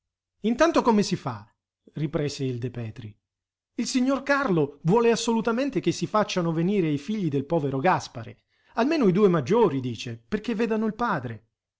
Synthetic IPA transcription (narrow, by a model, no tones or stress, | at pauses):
int̪ant̪okomesifa̰ | ripɾɛːseild̪epɛːt̪ɾi | ilsiɲːorkarlovwɔːleasːolut̪ament̪ek̟esːifat͡ʃːanoveniːɾeajfiʎːid̪elpɔːveɾoɡaspaɾḛ | almeːnoid̪uːemad͡ʒːoːɾid̪iːt͡ʃeperk̟evːɛːd̪anoilpaːd̪ɾe